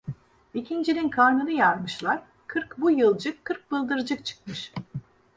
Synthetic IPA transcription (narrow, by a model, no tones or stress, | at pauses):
icʰind͡ʒinʲinkʰaɾnɯnɯjaɾmɯʃlˠaɾ | kʰɯɾkbujɯlˠd͡ʒɯkʰːɯɾk̚bɯlˠd̪ɯɾd͡ʒɯkt͡ʃʰɯ̥k̚mɯʃ